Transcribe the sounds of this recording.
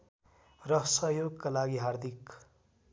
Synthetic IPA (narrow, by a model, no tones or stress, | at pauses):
rʌɦsʌɦjoɡkalaɡiɦaɾd̪ʱik